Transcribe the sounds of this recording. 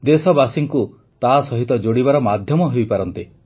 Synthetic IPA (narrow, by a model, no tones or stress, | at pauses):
d̪esɔbasiŋku | t̪aɦːsɔɦit̪ɔd͡ʒoɽibaɾɔmad̪ʱjɔmɔɦejpaɾɔnt̪e